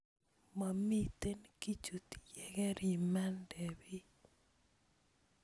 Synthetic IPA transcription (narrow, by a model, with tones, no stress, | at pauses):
ma˨mi˦t̪e˦nki˦t͡ʃu˨t̪jɛ˦˨ɡɛ˦ɾi˨ma˦ndɛ˨bi˦